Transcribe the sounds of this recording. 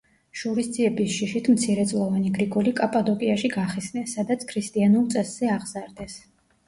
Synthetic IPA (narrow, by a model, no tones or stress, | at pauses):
ʃuɾisd̪ziɛbisʃiʃit̪ʰmt̪sʰiɾɛt̪sʼlˠɔvaniɡɾiɡʼɔlikʼapʼad̪ɔkʼiaʃiɡaχɛsnɛsːad̪at̪sʰkʰɾist̪ʼianulˠt̪sʼɛsz̥ɛaʁzaɾd̪ɛs